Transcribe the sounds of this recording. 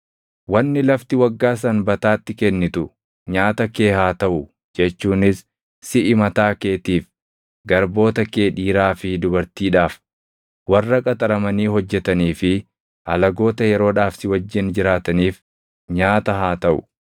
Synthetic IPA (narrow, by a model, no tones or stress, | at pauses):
wɐnːɪlɐft̪ɪwɐɡːaːs̬ɐnbɐt̪aːt̪ːɪkɛnːɪt̪ʊ | ɲaːt̪ɐke̞ːhaːt̪ɐʔʊ | d͡ʒɛt͡ʃːuːnɪs | sɪʔɪmɐt̪aːke̞ːt̪iːf | ɡɐɾbo̞ːt̪ɐke̞ːᶑiːɾaːfɪd̪ʊbɐɾt̪iːᶑaːf | wɐrːɐkʼɐt̪ʼɐɾɐmɐniːɦɔd͡ʒːɛt̪ɐniːfɪ | ʔɐlɐɡo̞ːt̪ɐjɛɾo̞ːᶑaːfsɪwɐd͡ʒːɪnd͡ʒɪɾaːt̪ɐniːf | ɲaːt̪ɐɦaːt̪ɐʔʊ̰